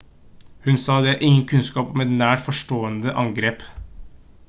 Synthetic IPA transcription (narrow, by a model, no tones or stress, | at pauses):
hʉnsɑːd̪ɛæɾʔɪŋːənkʰʉnskɑːpɔmɛt̪næːʈfɔʂʈoːənd̪əʔɑŋɡɾeːp